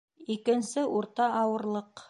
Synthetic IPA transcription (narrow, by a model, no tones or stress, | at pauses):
ikɘ̆nsɘʔuɾt̪ɑʔɑwɤ̆ɾlˠɤq